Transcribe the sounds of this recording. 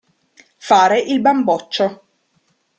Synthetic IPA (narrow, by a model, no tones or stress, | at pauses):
faːɾeʔilbambɔt͡ʃːo